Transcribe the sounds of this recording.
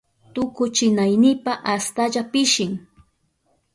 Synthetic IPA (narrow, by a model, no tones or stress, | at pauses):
t̪ʊkʊt͡ʃɪnajnɪpaʔast̪aʎapɪʃɪŋ